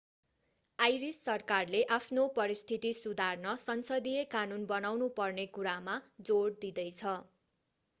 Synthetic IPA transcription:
ajɾisːʌrkarleʔapʰnopʌɾist̪ʰit̪isud̪ʱarnʌsʌnsʌd̪ijekanunbʌnawnupʌrnekuɾamad͡zoɽd̪id̪ʌjt͡sʰʌ

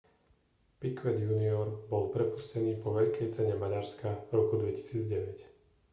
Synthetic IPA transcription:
pikʋɛd̪juniɔɾbɔlpɾɛpuscɛniːpɔʋɛʎkɛjt͡sɛɲɛmaɟaɾskaɾɔkud̪ʋɛci̥siːd͡zɟɛʋɛc

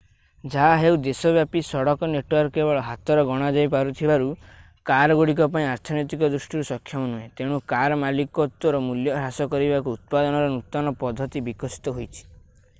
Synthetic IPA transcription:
d͡ʒaɦaɦewd̪esɔbjapisɔɽɔkɔneʈwɔɾkːebɔɭɔɦat̪ɔɾɔɡɔɽ̃ad͡ʒajp̬aɾut̪ʰibaɾu | kaɾɔɡoɽikɔpaĩaɾt̪ʰɔnɔjt̪̬ikɔd̪ɾusʈiɾusɔkʰːjɔmɔnuẽt̪eɽ̃ukaɾɔmalikɔt̪ːɔɾɔmuljɔɾasɔkɔɾibakuːt̪̚pad̪ɔnɔɾɔnut̪ːɔnɔpɔd̪ʱːɔt̪ibikɔsi̥t̪ɔɦojt͡ʃʰi̥

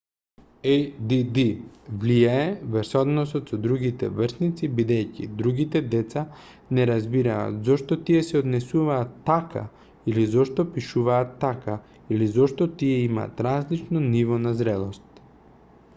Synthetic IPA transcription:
ɛjd̪id̪ivlijaɛvəɾsɔd̪nɔsɔt̪sɔd̪ɾuɡit̪ɛ̰vrsnit̪sibid̪ɛjcḭd̪ɾuɡit̪ɛd̪ɛt̪sa | nɛɾazbiɾa̰ːt̪zɔʃt̪ɔt̪iɛsɛod̪nɛsuvaːt̪ːaka̰ | ilizɔʃt̪ɔpiʃuvaːt̪ːaka | ilizɔʃt̪ɔt̪iɛima̰ːt̪ɾazlit͡ʃnɔnivɔnazɾɛlˠost̪̚

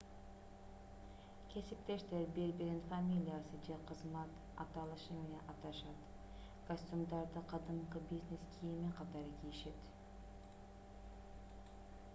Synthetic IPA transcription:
kʲʰe̞sip̚t̪e̞ʃt̪eɾbeɾbiɾenfamʲilʲijasɨd͡ʒeqʰɯzmɑt̪ | ɑ̰t̪ɑlˠɯʃɯmenenʔɑt̪ɑʃɑt̪ | ɡ̥osʲt̪ʲumd̪ɑɾd̪ɯqʰɑd̪ɯmqɯbizʲneskʲʰijimiqʰɑt̪ɑɾɯkʲʰiiʃe̞t̪

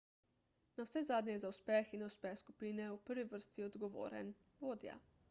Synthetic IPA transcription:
nawsɛzaːd̪ɲɛzauspɛxinnɛuspɛxskupiːnɛupəɾʋiʋəɾst̪iɔd̪ɡɔʋo̰ːɾɛ̰n | ʋoːd̪ja̰

